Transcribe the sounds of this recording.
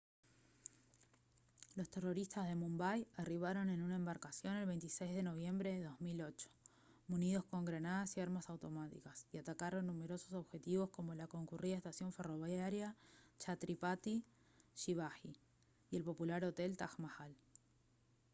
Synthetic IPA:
lo̞st̪e̞ro̞ɾist̪azð̞e̞mũmbajariβ̞aɾo̞ne̞nunaembaɾkasjo̞ne̞lβe̞jnt̪isejzðe̞no̞β̞je̞mbɾeðeðo̞zmilo̞t͡ʃo̥ | muniðo̞sko̞ŋɡɾanaðasiaɾmasawt̪o̞mat̪ḭkasiat̪akaɾo̞nːume̞ɾo̞soso̞βxe̞t̪iβo̞sko̞mo̞lako̞ŋkuriðaest̪asjo̞ɱfe̞ro̞βjaɾjat͡ʃat̪ɾipat̪i | ʃiβaxi | je̞lpo̞pulaɾo̞t̪e̞lt̪axmaxal

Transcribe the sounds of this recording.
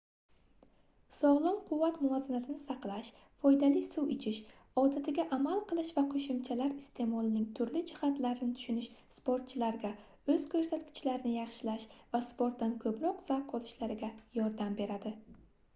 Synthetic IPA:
sɒʁlˠɒmqʰʊvːat̪mʊazanat̪ʰɪnɪsɑqlˠaʃ | fɒjd̪alɪsuwɪt͡ʃʰɪʃ | ɒd̪at̪ʰɪɡʲaʔamalˠqɨlˠɪʃvaqʰoʃɪmt͡ʃʰalaɾɪst̪ʰe̞mɒlˠɪnɪŋt̪ʰʊɾlɪd͡ʒɪhat̪laɾɪnɪt̪ʰʊ̥ʃʊnɪʃspoɾt̪̚t͡ʃʰɪlaɾɡʲa | ɵz̥kʲʰɵɾsat̪kʲʰɪ̥t͡ʃlaɾɪnɪjɑχʃɪlaʃvaspoɾt̪̚ːankʰɵpɾɒqz̥aqʰːɒlˠɪʃlaɾɪɡʲajɒɾd̪ambe̞ɾad̪ɪ

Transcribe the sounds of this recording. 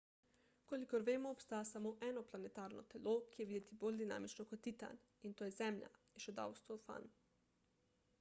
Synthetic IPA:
kolikoɾʋeːmɔːpst̪aːjasamoːʔɛːnɔplanɛt̪aːɾnɔ̰t̪ɛloːkijɛʋid̪ɛt̪iboːlʲd̪ina̰ːmit͡ʃnɔkɔt̪it̪a̰n | int̪oːjɛzɛmʎʲja̰ | ɛʃɔd̪a̰wst̪ʋofa̰n

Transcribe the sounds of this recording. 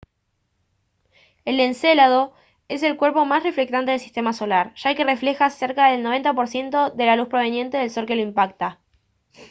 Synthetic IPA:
e̞lːenselaðo̞ | e̞s̬e̞lkwe̞ɾpo̞masre̞fle̞k̚t̪ant̪e̞ðelsist̪e̞maso̞laɾʒ̥ake̞re̞fle̞xase̞ɾkaðe̞lnoβe̞nt̪apo̞ɾsje̞nt̪o̞ðe̞laluspɾo̞β̞e̞njẽ̞nt̪e̞ðelsoɾke̞loimpak̚t̪a

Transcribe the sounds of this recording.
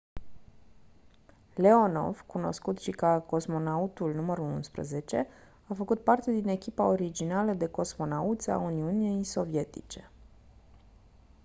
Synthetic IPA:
le̞o̞no̞̰vkuno̞̰skut̪ʃikako̞smo̞naut̪ulnuməɾulṵnspɾə̰ze̞t͡ʃe̞ | afəkut̪̚part̪e̞d̪ine̞kʲipao̞ɾid͡ʒinaləd̪e̞ko̞smo̞naut̪sa̰uniunijso̞vie̞t̪ḭt͡ʃe̞̥

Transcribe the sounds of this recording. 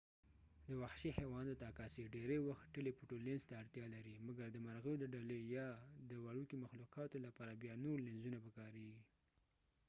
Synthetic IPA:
d̪əwaxʃihewɑnd̪ət̪ɑkɑseɖeɾewaxʈəlepuʈolenzt̪aːɽt̪jɑlaɾimaɡaɾd̪əmaɾɣəod̪əɖalejɑd̪əwaɽukimaxluqɑt̪olapɑɾabjɑnoɾlenzunabəkɑɾeɡi

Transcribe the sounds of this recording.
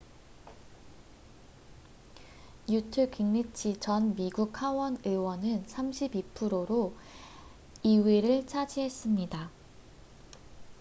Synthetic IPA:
jutʰɯkiŋnit͡ɕʰit͡ɕʌnmiɡukhawʌnɯwʌnɯnsʰamɕʰibipʰɯɾoɾo | iweɾɯɭt͡ɕʰad͡ʑiɦe̞s͈ɯmɲida

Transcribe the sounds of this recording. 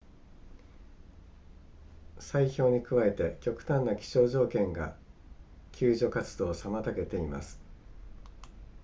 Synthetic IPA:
saiço̞ːɲ̟ikɯ̟βae̞t̪e̞kʲo̞kɯ̟̥t̪ãnːakʲi̥ɕo̞ːʑo̞ːkẽ̞ŋɡa̰ | kʲʰɨːʑo̞kat͡sɨd̪o̞ːsamat̪ake̞t̪e̞ima̰sɨ̥

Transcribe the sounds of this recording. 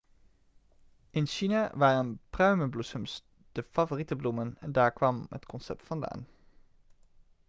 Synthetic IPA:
ʔɪnʃinaʋaːrənprœɥməblusəms | d̥əfɑvoritəblumənɛ̰ndaːɹkʋɑmɦə̰tkɔnsɛp̚tfɑnda̰ːn

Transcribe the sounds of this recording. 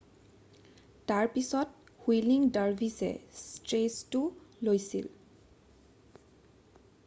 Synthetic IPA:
taɹpisɔt̚hwiliŋdaɹbʱisɛ̰stɹestʊlojsḭl

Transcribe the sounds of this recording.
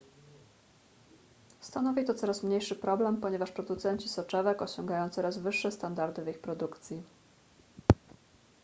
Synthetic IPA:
st̪anɔvʲit̪ɔt̪sɔɾasmɲejʂɘpɾɔblɛmpɔɲɛvaʂpɾɔd̪ut̪sɛɲt͡ɕisɔt͡ʂɛvɛkɔɕɔŋɡajɔ̃w̃t̪sɔɾazvɘʂːɛst̪and̪aɾd̪ɘvixpɾɔd̪ukt̪sʲji

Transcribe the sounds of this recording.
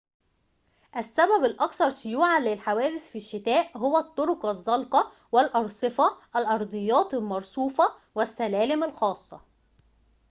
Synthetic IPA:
ʔæsːæbæbælʔɑkθɑɾˤsʊjuːʕalɪlħawæːd̪ɪsfiʃːɪt̪æːʔɦowæt̪ˤːoɾʊkɑzˤːɑlqɑ | wɪlʔɑɾˤsˤɨfɑʔælʔɑɾˤd̪ˤɨjːɑːt̪ˤlmɑɾˤsˤuːfɑ | wæsːælæːlɪmælxɑːsˤːɑ̰

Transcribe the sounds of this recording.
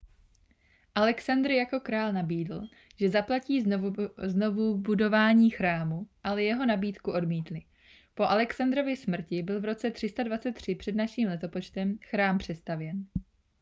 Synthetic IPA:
ʔalɛksand̪ɾjako̞kɾaːlnabiːdl̩ | ʒ̥ɛzaplaciːzno̞vubudo̞vaːɲiːxɾaːmuʔalɛjɛɦo̞nabiːt̪kuʔo̞dmiːt̪lɪ | po̞ʔalɛksand̪ɾo̞vɪsmr̩cɪbɪlvɾo̞t͡sɛt̪r̥ɪst̪advat͡sɛt̪ːr̝̥ɪpr̝̥ɛdnaʃiːmlɛt̪o̞po̞t͡ʃt̪ɛmxɾaːmpr̝̥ɛst̪avjɛn

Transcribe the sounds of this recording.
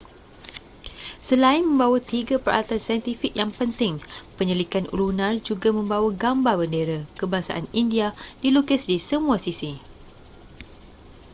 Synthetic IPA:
səlaɪnmə̃mbawat̪iɡapəɾa̰lat̪ansajənt̪ifik̚jaŋpənt̪ɪŋpəɲəlikanṵlunãrd͡ʒuɡamə̃mbawaɡambabəndeɾakəbasa̰ʔanindiadilukəsdisəmũasisi

